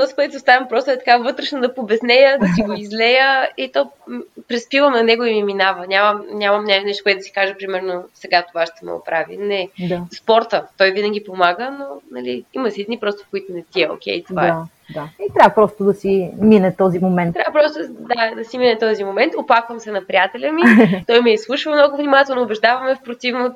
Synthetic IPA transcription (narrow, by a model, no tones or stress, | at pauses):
t̪ɔzi̥kʊɛt̪ost̪avɐmpɾɔst̪ʊɛt̪ɐ̥kavɤt̪ɾɛʃnod̪ɐpobɛsnɛjəd̪ɐsiɡoizlɛjəit̪ɔpɾɛspivəmnɐnɛɡʊimiminavənʲaməmnʲamɐmnʲanɛʃt̪okwɛt̪d̪si̥kaʒəpɾimɛɾnosɛɡat̪ovaʃt̪ɛmɛ̰o̰pɾavḭnɛd̪aspɔɾt̪ət̪ɔjvinəɡʲipomaɡənonɐliimɐsid̪nipɾɔst̪o̥fkoit̪onɛt̪iɛo̰kɛ̰jt̪ovaɛa | d̪ait̪ɾʲavəpɾɔst̪ʊd̪ɐsiminɛt̪ɔzimomɛnt̪ɾʲavəpɾɔst̪od̪ad̪ɐsiminɛt̪ɔzimomɛnt̪oplˠakvəmsɛnɐpɾijat̪ɛlʲəmit̪ɔjmɛislˠuʃvəmnɔɡʊvnimat̪ɛlˠnoːbɛʒd̪avɐmɛfpɾot̪ivno